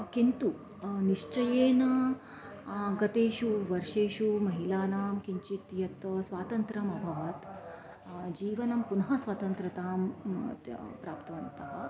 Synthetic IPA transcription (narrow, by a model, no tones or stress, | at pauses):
kint̪u | niʂt͡ʃɐjeːnɐ | ɡɐt̪eːɕuʋɐɾʂeːɕumɐɦilaːnaːmkiɲt͡ʃit̪jɐt̪sʋaːt̪ɐnt̪ɾɐmɐbʱɐʋɐt̪ | d͡ʒiːʋɐnɐmpunɦɐsʋɐt̪ɐnt̪ɾɐt̪aːm | pɾaːpt̪ɐʋɐnt̪ɐɦɐ